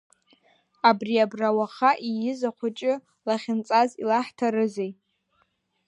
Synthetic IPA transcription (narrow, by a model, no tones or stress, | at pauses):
abriabrawaχaʔijɪzaχʷʊt͡ʃʼɪ | laχʲɪnt͡sʼazḭlaħtʰaɾɨzejʼ